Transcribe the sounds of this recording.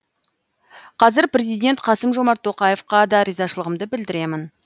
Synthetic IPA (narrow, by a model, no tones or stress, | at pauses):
qʰɑzɪɾpɾe̞zijd̪ʲe̞nt̪qʰɑsəmʒo̞mɑɾt̪ʰːo̞qɑje̞fqɑd̪ɑɾijzɑʃəlˠəʁəmd̪əbɪld̪ɪɾe̞mɪn